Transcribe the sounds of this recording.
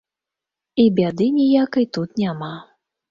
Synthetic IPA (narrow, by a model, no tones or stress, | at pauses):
ibʲad̪ɨnʲijakɐjt̪ut̪nʲama